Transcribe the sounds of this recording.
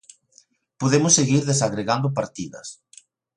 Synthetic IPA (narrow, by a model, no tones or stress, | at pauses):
poðemʊsːeɣiɾðesaɣɾeɣand̪ʊp̬aɾt̪iðɐ̰s